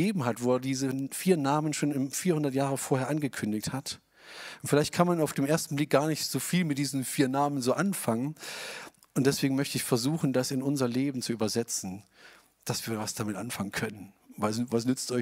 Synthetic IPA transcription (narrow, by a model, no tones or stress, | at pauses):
eːbm̩ɦatv̥oːɛːɐdiːzəfiːɐnaːmənʃoːnɪmfiːɐhʊndɐtjaːʁ̞əfoːɐheːɐʔanɡəkʰʏndɪçthat | ʔʊntfɪlaɪçt̚kʰanmanaʊfd̥eːmʔeːɐstn̩blɪk̚ɡ̥aːɐnɪçtz̥oːfiːlmɪt̚d̥iːzn̩fiːɐnaːmənzoːʔanfaŋən | ʊntd̥ɛsv̥eːɡŋ̩mœçtəɪçfɛɐzuːxn̩dasɪnʊnzɐleːbm̩t͡suʔyːbɐzɛt͡sn̩ | d̥asv̥iːɐvasd̥amɪtʔanfaŋənkʰœnənvasvasnʏt͡stɔɪ